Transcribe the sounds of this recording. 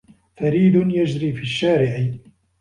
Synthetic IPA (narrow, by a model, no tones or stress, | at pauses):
faɾiːd̪ʊnjad͡ʒɾiːfiːʃːaːɾɪʕ